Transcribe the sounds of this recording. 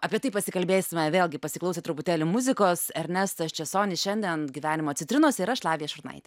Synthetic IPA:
ɑːpʲiɛt̪ɐɪpɐsʲɪkɐlʲbʲeːsʲɪmʲɛʋʲeːlʲˠɡʲɪpɐsʲɪklˠɐʊsʲeːt̪ɾʊpʊt̪ʲeːlʲɪmʊzʲɪkoːsɛɾʲnʲɛst̪ɐst͡ʃʲɛsoːnʲɪsʃʲɛnʲd̪ʲiɛnɡʲiʋʲæːnʲɪmoːt̪t͡sʲɪt̪ɾʲɪnoːsʲɪɪɾɐʃlˠɑːʋʲɪjɛʃʊɾnɐ̰ɪt̪ʲɛ

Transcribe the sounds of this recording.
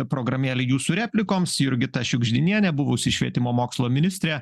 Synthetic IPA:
pɾoːɡɾɐmʲeːlʲɛjuːsuɾʲæːpʲlʲɪkoːmsjʊɾʲɡʲɪt̪ɐʃʲʊɡʒʲd̪ʲɪnʲiɛnʲɛbʊʋʊsʲɪʃʲʋʲiɛt̪ʲɪmoːmoːkslˠoːmʲɪnʲɪsʲt̪ʲɾʲɛ

